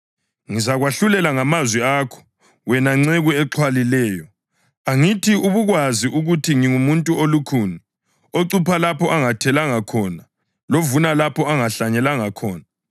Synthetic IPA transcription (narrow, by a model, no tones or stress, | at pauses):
ŋizaɣwaɬulɛlaŋamazwɛaːkʰɔ̥ | wɛnaŋ͡ǀɛɣuɛǁʰwalilɛːjɔ | aŋitʰiuβuɣwaziʔuɣutʰiŋiŋumuntʼuolukʰuːni | oǀupʰalapʰɔʔaŋatʰɛlaŋakʰɔːna | lovunalapʰɔaŋaɬaɲɛlaŋakʰɔːna